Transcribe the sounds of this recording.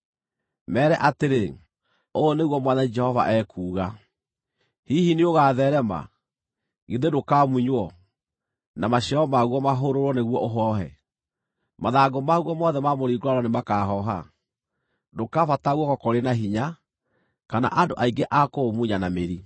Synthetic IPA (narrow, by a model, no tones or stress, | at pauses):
mɛːɾɛʔateɾe | oɔneɣwɔmwaðaid͡ʒɛhɔva̰ʔɛkʰuːɣa | hihinioɣaːðɛɾɛma̰ | ɣeðedokaːmuiɲwɔ | namaɕɛɔmaɣwɔmaɦoɾoɾwɔneɣwɔʔoɦɔɦɛ̰ | maðaːɡomaɣwɔmɔðɛmamoɾiːɡaɾɔnemakaɦɔɦa̰ | dokafataɣwɔkɔkɔɾenaɦiɲa | kana̰ʔandoʔaiŋɡeʔakomuɲanameɾi